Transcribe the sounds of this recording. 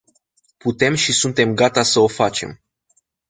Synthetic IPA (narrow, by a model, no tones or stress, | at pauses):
put̪e̞mʃisunt̪e̞mɡat̪asəo̞fat͡ʃe̞̰m